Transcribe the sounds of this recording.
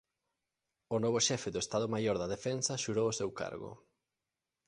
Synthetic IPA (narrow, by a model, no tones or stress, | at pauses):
onɔβoʃɛfeðoest̪aðomajoɾðɐðefensɐʃuɾowosewka̰ɾɣo̰